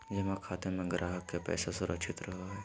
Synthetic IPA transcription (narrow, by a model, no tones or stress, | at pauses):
d͡ʒɐmãkʰaːt̪emẽɡɾʔaːɦəkːepɛ̰ːsasʊɾʔəkʃʰɪt̪ɾɐɦaɦɛː